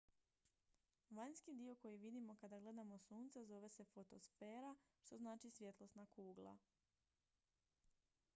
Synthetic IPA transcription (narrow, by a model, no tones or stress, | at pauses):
ʋaɲskid̪io̞ko̞jiʋid̪imo̞kad̪aɡle̞d̪amo̞suːnt̪sezo̞ʋe̞se̞fo̞t̪o̞̰sfe̞ːɾa | ʃt̪o̞znaːt͡ʃisʋje̞t̪lˠo̞snakuːɡlˠa̰